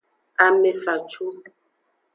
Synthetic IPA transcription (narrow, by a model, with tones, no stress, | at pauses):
a˨mɛ˨fa˨t͡ʃu˦